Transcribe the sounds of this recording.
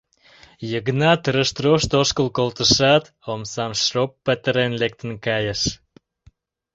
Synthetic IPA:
jəɣnɑt̪əɾə̆ʃt̪roʃt̪oʃkəlkolt̪ə̆ʃɑt̪ | omsɑmʃropːət̪əɾenlek̚t̪ə̆nkɑjəʃ

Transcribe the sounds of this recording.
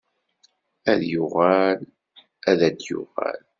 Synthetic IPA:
æðjʊʁæl | æðæd̪jʊ̰ʁæ̰l

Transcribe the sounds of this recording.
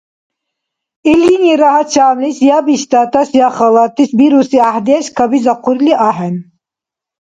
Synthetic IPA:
iliniɾahat͡ʃaːmlisjabiɕt̪aːt̪ɐsjaχɐlat̪isbiɾusiahd̪iaɕkɐbizɐquɾliaɦen

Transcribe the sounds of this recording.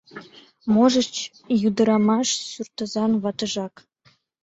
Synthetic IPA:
moʒət͡ɕ | jud̪əɾɑmɑʃsyrt̪əzɑnβɑt̪əʒɑk

